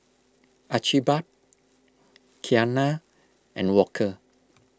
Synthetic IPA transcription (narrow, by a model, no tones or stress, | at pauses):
ʔat͡ʃibat̚ | kʰiana | ʔɛ̰̃nwɔkʰə